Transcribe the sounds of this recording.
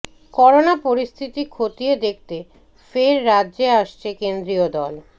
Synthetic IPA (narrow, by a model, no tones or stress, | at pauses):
kɔɾonapoɾist̪ʰit̪ikʰot̪ijed̪ek̚t̪e | feɾːadːʑeaʃt͡ɕʰekend̪ɾiod̪ɔl